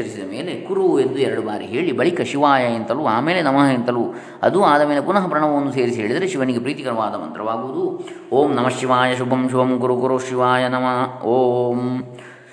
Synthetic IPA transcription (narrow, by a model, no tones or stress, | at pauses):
ɐɾisid̪ɐmeːlekuɾuend̪uɛɾɐɽubaːɾḭɦe̞ːɭibɐɭikɐʃiʋaːjɐent̪ɐluaːmeːlenɐmɐɦɐent̪ɐlu | ɐ̰d̪uaːd̪ɐmeːlepunɐɦɐpɾɐɳɐʋɐʋɐnːuseːɾisiɦe̞ːɭid̪ɐɾeʃiʋɐniɡepɾiːt̪ikɐɾɐʋaːd̪ɐʋɐ̰nt̪ɾɐʋaːɡuʋud̪uoːmnɐmɐʃiʋaːjɐʃubʱɐmʃubʱɐmkuɾukuɾuʃiʋaːjɐnɐmɐoːm